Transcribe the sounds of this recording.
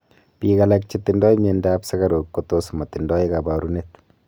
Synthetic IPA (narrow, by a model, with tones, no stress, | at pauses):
pi˨ka˨lak̚t͡ʃit̪ːindɔ˦i˦me˨ndaːpsa˦ɡa˦ɾo˨kkot̪o˦sma˨t̪ɪ˨ndɔ˦i˦kaba˨ɾu˦net̪